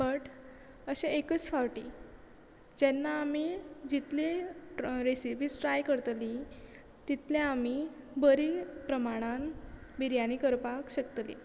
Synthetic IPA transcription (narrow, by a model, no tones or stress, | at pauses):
bəʈ | əɕeekət͡sfawʈi | d͡ʑɛnːaːmid͡ʑit̪le | ɾesibiːsʈɾajkəɾt̪li | t̪it̪ʰlẽami | bəɾipɾəmaɽ̃anbiɾjanikəɾpakɕəkt̪lḭ